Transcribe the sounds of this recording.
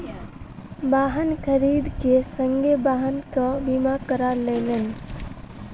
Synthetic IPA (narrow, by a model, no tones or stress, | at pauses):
baːɦənkʰəɾiːd̪kesəŋɡebaːɦənkabimakəɾalenən